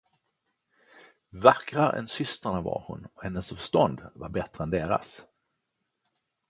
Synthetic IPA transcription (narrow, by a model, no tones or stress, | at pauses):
vakɾaɾʔɛ̰nsʏst̪əɳava̰ɾhʊ̰nɔhɛnːəsfœ̥ʂt̪ɔnd̪vaɾbɛt̪ɾəɛnd̪eːɾa̰s